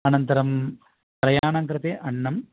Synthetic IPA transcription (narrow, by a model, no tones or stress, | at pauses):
ɐnɐnt̪ɐɾɐm | pɾɐjaːɳɐŋkɾɨt̪eːʔɐɳːɐm